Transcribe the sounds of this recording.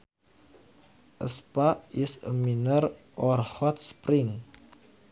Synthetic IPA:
ʔə̰spaisə̰minər | ʔɔrhɔt̪̚spɾɪŋ

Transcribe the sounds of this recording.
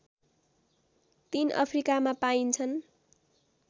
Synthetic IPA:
t̪inʔʌ̰pʰrikamapaint͡sʰʌn

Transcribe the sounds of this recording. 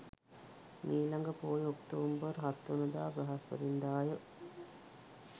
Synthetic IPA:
miːlaŋɡəpoːjokt̪oːmbəɾɦat̪ːonəd̪aːbɐɦasʋə̰ɾind̪aːjə

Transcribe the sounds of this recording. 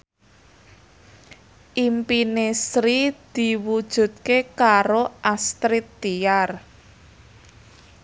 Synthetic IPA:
ʔimpinesɾid̪̥i̤wud̥ʒ̥ṳt̪̚kekaɾoʔast̪ɾit̪ːiar

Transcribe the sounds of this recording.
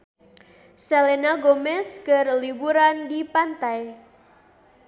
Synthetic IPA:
selenaɡomɛskərlibuɾandipant̪aj

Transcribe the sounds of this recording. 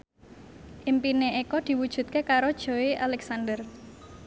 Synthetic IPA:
ʔimpineekɔd̪̥i̤wud̥ʒ̥ṳt̪̚kekaɾod̥ʒ̥o̤eʔalɛksand̪ər

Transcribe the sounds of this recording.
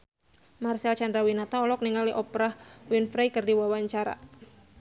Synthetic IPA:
marsalt͡ʃandɾawinat̪aɔlɔk̚niŋaliʔɔpɾahwinfɾajkərdiwawaɲt͡ʃaɾa̰

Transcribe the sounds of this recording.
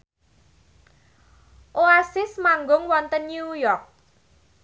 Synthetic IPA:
ʔoasɪsmaŋɡʊŋwɔnt̪ənːjujɔrk̚

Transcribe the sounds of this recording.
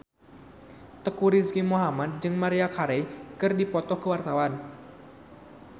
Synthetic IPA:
t̪əkuɾiskimuɦamad̪̚d͡ʒɨŋmaɾiakʰaɾɛjkɨrdipɔt̪ɔhkəwart̪awan

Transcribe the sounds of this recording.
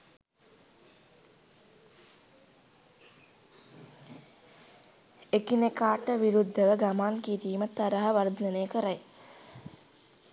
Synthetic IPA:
ekinekaːʈəʋiɾud̪ʱːəʋəɡamaːnkiɾiːmət̪aɾaɦəʋard̪ənejəkəɾaj

